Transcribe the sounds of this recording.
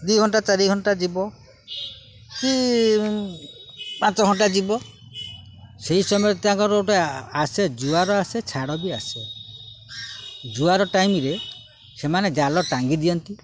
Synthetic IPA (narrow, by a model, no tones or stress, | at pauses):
d̪ujɡʱɔɳʈat͡ʃaɾiɡʱɔɳʈad͡ʒibɔ | ki | pãt͡ʃɔɡʱɔɳʈad͡ʒibɔ | seisɔmɔjɔt̪ãŋkɔɾoʈeased͡ʒuaɾɔaset͡ʃʰaɽɔbiase | d͡ʒuaɾɔʈajmiɾe | semaned͡ʒalɔʈaŋɡid̪iɔnt̪i